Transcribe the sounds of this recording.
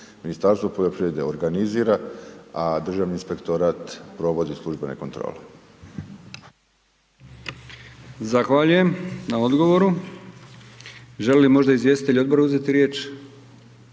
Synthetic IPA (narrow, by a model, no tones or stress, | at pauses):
minist̪aɾst̪ʋopod̪opɾiʋjed̪eoɾɡaniziːɾaad̪r̩ʒaːʋninspe̞kt̪oɾat̪pɾo̞ʋo̞d̪islˠuʒbenḛko̞nt̪ɾo̰ːle | zaxʋaːʎuje̞mnao̞d̪ɡo̞ʋo̞ɾu | ʒelelimo̞ʒd̪aizʋje̞sit̪eʎo̞d̪boɾuzet̪iɾjeːt͡ʃ